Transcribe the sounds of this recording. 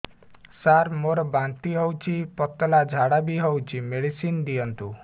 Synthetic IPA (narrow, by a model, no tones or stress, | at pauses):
saɾmoɾɔbant̪iɦɔwt͡ʃʰipɔt̪ɔlad͡ʒʱaɽabiɦɔwt͡ʃʰimeɽisind̪ijɔnt̪u